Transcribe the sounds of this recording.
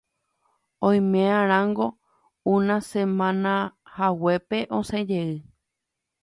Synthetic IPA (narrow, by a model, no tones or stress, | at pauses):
õj̃mẽãɾ̃ãŋɡo̞ | ũnãsẽmãnãhawepe̞ʔõsẽd͡ʒeɨ